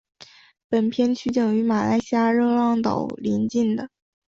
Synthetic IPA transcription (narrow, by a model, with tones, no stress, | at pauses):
pə˨˩npʰjɛ˥nt͡ɕʰy˧˥t͡ɕjɑ˨˩ŋy˧˥ma˨˩la˧˥ɪɕija˥ɻɤ˥˧lɑ˥˩ŋt̪ɑ̰˨˩ʊli˧˥nt͡ɕi˥˩nd̪ə˩